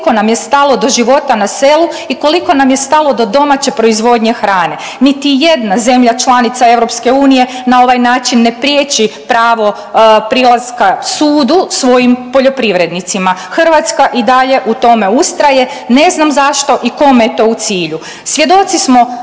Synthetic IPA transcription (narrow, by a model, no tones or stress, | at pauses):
ko̞namje̞st̪alo̞d̪o̞ʒiʋo̞t̪anase̞luiko̞liko̞namje̞st̪alˠo̞d̪o̞d̪o̞mat͡ɕe̞pɾo̞izʋo̞d̪ɲe̞xɾaːne̞ | nit̪ije̞d̪naze̞mʎat͡ʃlˠanit̪sae̞ʋɾo̞pske̞uːnije̞nao̞ʋajnaːt͡ʃinːe̞pɾjeːt͡ɕipɾaːʋo̞ | pɾilˠazkasuːd̪usʋo̞jimpo̞ʎopɾiʋɾe̞d̪nit̪simaxr̩ʋat̪skaʔid̪aʎe̞ʔut̪o̞me̞ust̪ɾaje̞ | ne̞znamzaʃt̪o̞ʔiko̞mejet̪o̞ːut̪siːʎu | sʋje̞d̪o̞t̪sismo̞